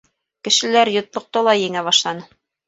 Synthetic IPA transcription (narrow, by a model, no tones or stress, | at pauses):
kɘ̆ʃɘ̆læɾjŏt̪lˠŏq̚t̪ɤlˠɑjɘ̆ŋæβɑʃlˠɑnɤ